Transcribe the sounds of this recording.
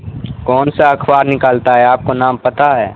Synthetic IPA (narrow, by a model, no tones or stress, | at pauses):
kɔːnsaɐkʰbaːɾnɪkaːlt̪aɦɛaːp̚konãːmpɐt̪aɦɛː